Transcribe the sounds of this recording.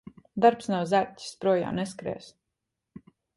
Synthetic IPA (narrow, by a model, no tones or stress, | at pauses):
d̪aɾpsnawzæɾ̚tʲi̥spɾuɔja̰ːneskɾɛ̰ːs